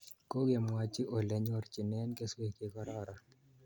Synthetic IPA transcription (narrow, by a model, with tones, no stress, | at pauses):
ko˦ɡe˨mwa˨t͡ʃɪ˦ʔo˨lɛ˨ɲɔ˦rt͡ʃi˨nɛ˦nke˦swe˨ke˨kɔ˦ɾɔ˦ɾa˨